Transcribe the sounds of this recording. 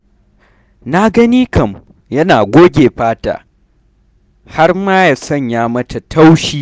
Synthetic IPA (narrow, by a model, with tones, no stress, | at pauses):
na˦ɡɐ˦niː˦kʰɐ˨m | jɐ˦naː˨ɡʷoː˦ɡʲeː˨ɸaː˦ta̰ː˨ | ha˦rmaː˦ja˨sɐ˦˨ɲjaː˦mɐ˦ta˨tʰa˦wʃiː˦